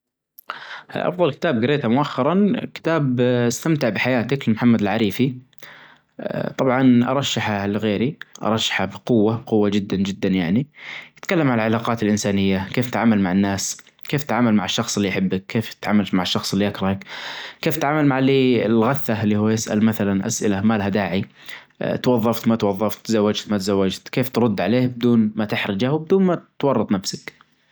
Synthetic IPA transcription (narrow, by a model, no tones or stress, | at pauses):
ʔɑ̰fðˤɑlkɪ̥t̪aːb̚ɡɪɾeːt̪amʊʔaxːɑɾˤɑnkɪ̥t̪aːbɪst̪amt̪ɪʕbɪħajaːt̪akɪlmʊħamːad̪ɪlʕaɾiːfi | t̪ˤɑbʕɑnʔɑ̰ɾˤɑʃːaħalɣeːɾiʔɑ̰ɾˤɑʃːḁħabɪqʊwːaqʊwːad͡ʒɪd̪ːand͡ʒɪd̪ːanjaʕnijɪt̪kalːamʕalʕalaːqɑːt̪ɪlʔɪnsaːnɪjːakeːft̪ʕaːmalmaʕanːaːs | keːft̪ʕaːmalmaʕɪʃːɑxsˤɪlːijħɪbːɪk̚kʰːeːft̪ʕaːmalt̪maʕɪʃːɑxsˤɪlːiʔakɾˤɑhakkeːft̪ʕaːmalmaʕliːɪlɣaθːalːiːhuːjɪsʔa̰lmaθalanʔa̰sʔɪ̰lamaːlɦad̪aːʕḭ | t̪wɑðˤːɑft̪mat̪wɑðˤːɑft̪ːzawːad͡ʒt̪mat̪zawːad͡ʒt̪keːft̪ɾˤʊd̪ːʕaleːhbɪd̪uːnmat̪ɪħɾˤɪd͡ʒahwbɪd̪uːnmat̪wɑrˤːɑt̪ˤnafsak